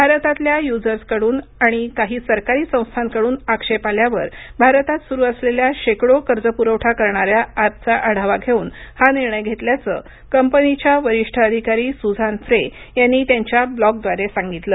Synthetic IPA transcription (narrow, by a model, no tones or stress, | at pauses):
bʱaɾət̪at̪ljajud͡zəɾskəɽuːnaɽ̃ikaɦiːsəɾkaɾiːsə̃w̃st̪ʰankəɽuːnakʂepaljaʋəɾbʱaɾət̪at̪suɾuːəsleljaɕekɽokəɾd͡zəpuɾəwʈʰakəɾɳaɾjaːp̚t͡saʔəɽ̤aʋaɡʱeuːnhaniɾɳəjɡʱet̪ljat͡sə̰ː | kəmpənit͡ɕjaʋəɾiʂʈʰəəd̪ʱikaɾiːsud͡zʱanfɾe | janːiːt̪jaɲt͡ɕjablɔk̚d̪ʋaɾesaŋɡit̪ləː